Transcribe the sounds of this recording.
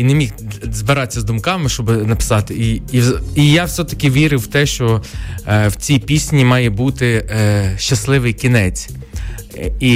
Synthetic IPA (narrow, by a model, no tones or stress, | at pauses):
inemʲixzbɪɾɑt͡sʲːɐzd̪ʊmkɑmɪʃt͡ʃɔbɪnɐpɪ̥sɑt̪ɪiiijɑwsʲɛt̪ɐkʲɪʋʲiɾɪwt̪ɛʃt͡ʃɔ | wt͡sʲipʲisʲnʲimɑjɛbut̪ɪʃt͡ʃːɐslˠɪʋɪjkʲinɛt͡sʲ | i